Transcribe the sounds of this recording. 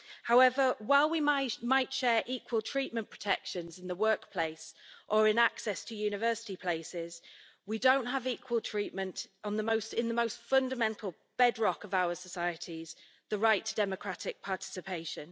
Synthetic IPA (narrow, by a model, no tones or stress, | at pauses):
haʊɛvəwaɪlˠwimaɪmaɪtʃɛːɹʔiˑkʰwəlˠtʰɹ̥iˑʔmə̃npʰɹ̥ə̥tʰɛkʃə̃nzɪ̃nðəwɜˑkpʰl̥eɪsʔəɹɪ̃naksɛstʰəjʉːñɪvɜˑsɪ̥tipʰl̥eɪsɪz̥ | widõʊ̃nʔɦəviˑkʰwəlˠtʰɹ̥iˑʔmə̃ntn̩ðəmoʊstɪ̃nðəmoʊstfʌ̃ndəmɛ̃ntʰˡl̩ˠ | b̥ɛdɹɒkəvaʊəsəsaɪətʰiz̥ | ðəɹaɪtʰədɛməkʰɹ̥atɪk̚pʰɑˑtʰɪ̥sɪpʰeɪʃə̃n